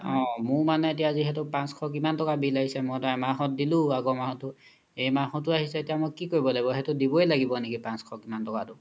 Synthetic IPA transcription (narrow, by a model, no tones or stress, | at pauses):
ɔ̃mʊmanɛetijaːziɦɛtʊpãnskʰɔkimantɔkabilaɡisɛmɔtɔɛmaɦɔt̚dilʊ̃aɡɔmahɔtʊ | ejmaɦɔtʊaɦisɛetijamɔkːikoibɔlaɡibɔɦɛtʊdibɔelaɡibɔnekipãnskʰɔkimantɔkatʊ